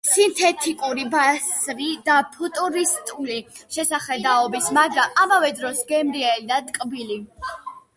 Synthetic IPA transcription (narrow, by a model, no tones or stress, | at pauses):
sint̪ʰɛt̪ʰikʼuɾibasvid̪apʰut̪ʼuɾist̪ʼuliʃɛsaχɛd̪aɔbismaɡɾamamavɛd̪ɾɔsɡɛmɾiɛlid̪ad̪kʼbili